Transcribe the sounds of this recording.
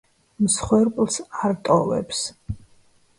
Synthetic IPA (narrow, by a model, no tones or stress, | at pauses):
msχwɛɾkʼlˠsaɾt̪ʼɔvɛ̰ps